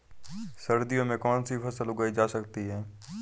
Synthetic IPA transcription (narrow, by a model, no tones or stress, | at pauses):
səɾd̪ijõmẽkɔːnsipʰɐsəlʊɡəid͡ʒaːsəkt̪iɦɛː